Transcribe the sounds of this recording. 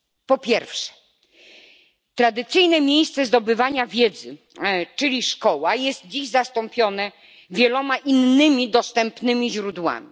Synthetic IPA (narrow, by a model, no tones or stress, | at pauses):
pɔpʲjɛɾfʂɛ̥ | t̪ɾad̪ɘt̪sɘjnɛmʲjejst̪sɛzd̪ɔbɘvaɲavʲjɛd̪zɘ | t͡ʂɘlʲiʂkɔwajɛst̪̚d͡ʑiʑzast̪ɔmpʲjɔnɛ | vʲjɛlɔmaʔinːɘmʲid̪ɔst̪ɛmpnɘmʲiʑɾud̪wa̰mʲi